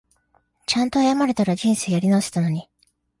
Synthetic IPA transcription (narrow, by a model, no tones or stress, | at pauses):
t͡ɕãnt̪o̞ajamaɾe̞t̪aɾaʑĩɰ̃sejaɾʲinaose̥t̪ano̞ɲ̟i